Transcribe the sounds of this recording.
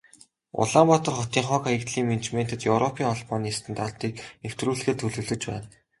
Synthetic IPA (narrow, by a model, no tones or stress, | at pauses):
ʊ̰ɮaːmpɔt̪ɞ̆rχɔt̪iːŋχɔːkaikt̪ɮiːŋment͡ɕmen̥ʲt̪ɘ̆t̪jɵwrɔpʰiːŋɔɮpɔːniːst̪ɘ̆nt̪aɮt̪iːkew̥t̪ruːɮ̆xĕːt̪ʰɵɮɵ̆ɮɵ̆t͡ɕpæ̰ːn